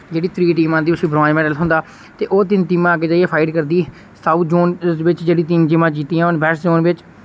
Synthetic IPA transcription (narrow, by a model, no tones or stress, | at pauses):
d͡ʒeːɽiːt̪ʰɾiːʈiːmãːnd̪iːʊsĩːbɾãːd͡ʒmɛːɖəlɦʊ̃nd̪aː | t̪eːʔoːt̪ɪnt̪iːmãːɡeːd͡ʒaːieːpʰaːɪɖkəɾd̪iː | saːuːt̪d͡ʒoːnʋɪt͡ʃd͡ʒeːɽiːt̪ɪnd͡ʒɪmãːd͡ʒiːt̪iːãːʊnbɛːsd͡ʒoːnʋɪt͡ʃ